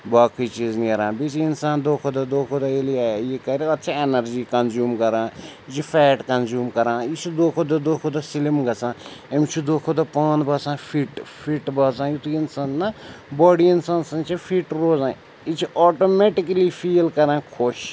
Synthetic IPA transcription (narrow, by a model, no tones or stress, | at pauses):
baːkʰit͡ʃiːzniɐɾãːbit͡ʃʰiinsaːnd̪oːkʰod̪ɐd̪oːkʰod̪ɐeliaːjjikɐɾiɐt̪ːt͡ʃʰienɐɾd͡ʒiːkɐnzjuːmkɐɾãː | it͡ʃʰifɛːʈkɐnzuːmkɐɾãːit͡ʃʰid̪oːkʰod̪ɐd̪oːkʰod̪ɐsilimɡɐsʰãːemt͡ʃʰid̪oːkʰod̪ɐpãːnbaːsãːfʰiːʈpʰiʈbaːs̬ãːjit̪uinsãːnnabɔːɽiinsãːnsɐnt͡ʃʰifʰiːʈɾoːzãː | it͡ʃʰiʔɔːʈoːmeʈikɐlifʰiːlkɐɾãːkʰoʃ